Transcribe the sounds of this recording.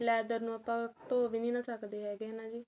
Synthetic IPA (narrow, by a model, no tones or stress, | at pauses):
lɛːd̪əɾnũːapãːt̪oːʋiːnĩːnãːsəkd̪eːɦɛːɡeːnãːd͡ʒiː